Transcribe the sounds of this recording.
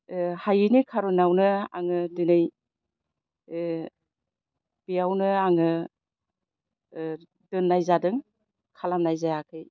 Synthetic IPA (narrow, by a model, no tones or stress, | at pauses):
hajinikʰaɾunawnɯa̰ŋɯdinɯj | b̥iawnɯaŋɯ | dɯnːajzadɯŋ | kʰalamnajzajakʰɯj